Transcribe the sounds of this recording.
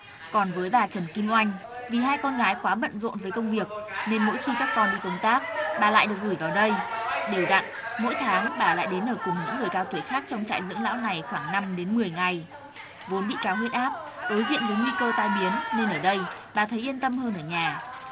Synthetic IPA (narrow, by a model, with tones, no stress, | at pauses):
kɔ˨˩nvəː˨˦jɓaː˨˩t͡ɕə˨˩nki˧mʔwa˧jŋ̟vi˨˩ɦaː˧jkɔ˧nɣaː˨˦jkwaː˨˦ɓə̰˧˨nzo̰˧˨nvəː˨˦jkə˧wŋ͡mvi˨˩ək̚ne˧nmo̰˧˥jxi˧kaː˦˥kːɔ˧nɓḭ˧˨kə˧wŋ͡mt̪aː˦˥k̚ɓaː˨˩la̰ː˧˨jɗɨ˨˩ək̚ɣu˧˩jvaː˨˩wɗə˧jɗe˨˩wɣa̰˧˨n | mo̰˧˥jt̪ʰaː˨˦ŋɓaː˨˩la̰ː˧˨jɗe˨˦nʔəː˧˩kʊ˨˩ŋ͡mɲɨ̰˧˥ŋɨ˨˩əjkaː˧wt̪wi˧˩əxaː˦˥k̚t͡ɕɔ˧wŋ͡mt͡ɕa̰ː˧˨jzɨ̰˧˥əŋla̰ː˧˥wna˨˩jxwaː˧˩ŋna˧mɗe˨˦nmɨ˨˩əjŋa˨˩j | vo˨˦nɓḭ˧˨kaː˨˦wɦwi˧˥ət̚ʔaː˦˥p̚ɗo˨˦jzḭ˧˨ənvəː˨˦jŋwi˧kəː˧t̪aː˧jɓi˨˦ənːe˧nʔəː˧˩ɗə˧jɓaː˨˩t̪ʰə˨˦jʔi˧ənt̪ə˧mhəː˧nʔəː˧˩ɲaː˨˩